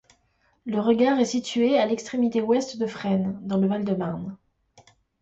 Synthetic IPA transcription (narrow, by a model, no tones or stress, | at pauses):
ləʁəɡaʁɛsit̪ɥealɛkst̪χemit̪ewɛst̪d̪əfχɛnd̪ɑ̃ləvald̪əmaʁn